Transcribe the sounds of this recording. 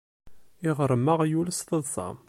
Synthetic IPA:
ɪʁəɾˤəmːəʁjuləst̪əðˤsˤɑ̰

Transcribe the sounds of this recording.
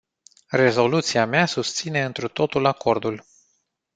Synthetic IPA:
re̞zo̞lut̪siameasust̪sine̞ɨnt̪ɾut̪o̞t̪ulako̞rd̪ul

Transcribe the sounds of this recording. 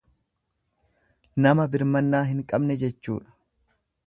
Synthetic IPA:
nɐmɐbɪɾmɐnːaːɦɪŋkʼɐbnɛd͡ʒɛt͡ʃːṵːᶑɐ̥

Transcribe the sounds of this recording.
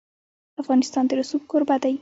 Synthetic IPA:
afɣɑnɪst̪ɑnd̪əɾʊsub̚koɾbad̪aji

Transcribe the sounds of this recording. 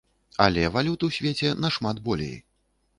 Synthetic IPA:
ɐ̰lʲɛvalʲut̪ɨwsʲvʲet͡sʲɛnɐʂmad̪bɔlʲḛj

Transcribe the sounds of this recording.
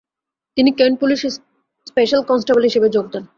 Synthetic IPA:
t̪inikenpuliʃs | speʃalkɔnsʈabalɦiʃebed͡ʑoɡ̚d̪en

